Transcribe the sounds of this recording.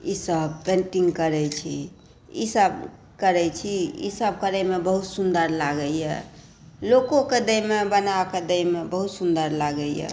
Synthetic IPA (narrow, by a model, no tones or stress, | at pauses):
isəbpẽnʈiŋɡkəɾɛt͡ʃʰḭ | ḭsəb | kəɾɛt͡ʃʰiḭsəb̚kəɾəjmebəɦut̪sund̪əɾlaɡəjjɛ̰ | lokõked̪əjmebənaked̪əjmebəɦut̪sund̪əɾlaɡəjjɛ̰